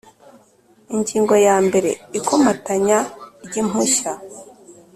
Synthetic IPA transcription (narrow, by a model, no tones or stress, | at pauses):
iɲɟiːŋɡo̞jaːmbe̞ɾe̞̰ikʰomataɲaɾɟim̥uʃa